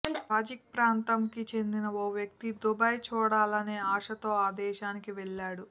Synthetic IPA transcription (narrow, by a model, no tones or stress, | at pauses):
aːd͡ʒikpɾaːnt̪ɐmkit͡ʃe̞nd̪inɐoːʋjɐkt̪id̪ubaːjt͡ʃuːɽaːlɐneːaːʂɐt̪o̞ːaːd̪ɛːʃaːnikiʋɛɭːaːɽu